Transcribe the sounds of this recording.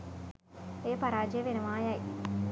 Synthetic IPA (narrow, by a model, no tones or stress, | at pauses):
eːpaɾaːd͡ʒijəʋenɐʋaːjaj